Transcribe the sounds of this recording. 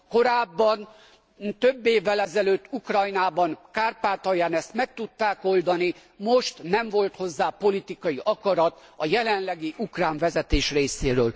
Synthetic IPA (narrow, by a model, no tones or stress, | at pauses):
ko̞ɾaːbːɒn | t̪øbːeːvːɛlɛzɛløːt̪ːukrɒjnaːbɒnkaːrpaːt̪ɒjaːnɛst̪mɛk̚t̪ut̪ːaːko̞ld̪ɒni | mo̞ʃt̪nɛɱvo̞lt̪ho̞zːaːpo̞lit̪ikɒjiʔɒkɒɾɒt̪ɒjɛlɛnlɛɡiʔukraːɱvɛzɛt̪eːʃreːseːɾøːl